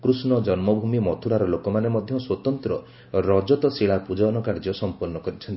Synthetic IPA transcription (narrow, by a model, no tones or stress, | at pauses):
kɾusnɔd͡ʒɔnmɔbʱumimɔt̪ʰuɽaɾɔlokɔmanemɔd̪ʱjɔswɔt̪ɔnt̪ɾɔ | ɾɔd͡ʒɔt̪ɔsiɭapud͡ʒɔnɔkaɾd͡ʒɔsɔmpɔɾnːɔkɔɾit͡ʃʰɔnt̪